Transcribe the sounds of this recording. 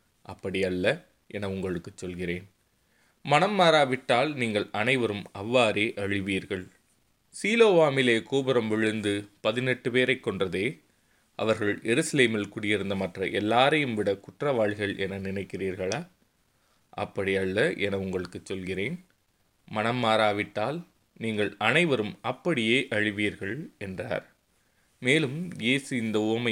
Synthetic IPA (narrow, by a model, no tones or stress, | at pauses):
ʔɐpːɐɽɪjɐɭːɐ | ʔɛnɐʊŋɡɐɭɯkːɯt͡ʃːɔlɣɪreːn | mɐnɐmːaːɾaːʋɪʈːaːlniːŋɡɐɭɐnɐɪʋɐɾɯmɐʋːaːɾeːʔɐɻɪʋiːɾɣɐɭ | siːloːʋaːmɪleːkuːbɪɾɐmʋɪɻɯnd̪ɯpɐðɪnɛʈːɯpeːɾɐɪkːɔɳdrɐðeː | ʔɐ̰ʋɐɾɣɐɭjɛɾɯsɐleːmɪlkʊɽɪjɪɾɯnd̪ɐmɐʈrɐʔɛlːaːɾɐjɯmʋɪɽɐkʊʈrɐʋaːɻɪɣɐɭʔɛnɐnɪnɐɪkːɪriːɾɣɐɭaː | ʔɐ̰pːɐɽiɐɭːɐʔɛnɐʊŋɡɐɭɯkːɯt͡ʃːɔlɣɪreːn | mɐnɐmːaːɾaːʋɪʈːaːl | niːŋɡɐɭɐnɐɪʋɐɾɯmɐpːɐɽɪjeːʔɐɻɪʋiːɾɣɐɭɛndra̰ːɾ | meːlɯmjeːsɯɪnd̪ɐʊɐmɐ